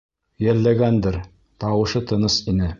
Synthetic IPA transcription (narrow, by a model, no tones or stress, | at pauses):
jælːæɡænd̪ɘɾ | t̪ɑwɤ̆ʃɤt̪ʰɤ̆nɤsinɘ